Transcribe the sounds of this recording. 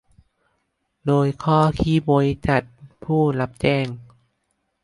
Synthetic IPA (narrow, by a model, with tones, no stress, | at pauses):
doː˧jkʰɔː˥˩kʰiː˧˥bo˨˦jt͡ɕa˨˩t̪̚pʰuː˥˩la˧˦˥p̚t͡ɕɛː˥˩ŋ